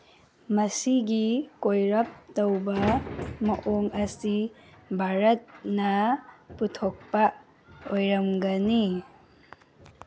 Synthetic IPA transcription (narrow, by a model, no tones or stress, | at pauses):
mɐsiɡikojɾɐp̚tɐwbɐmɐʔoŋɐsibʱaɾɐt̚nɐputʰok̚pɐ | ojɾɐmɡɐni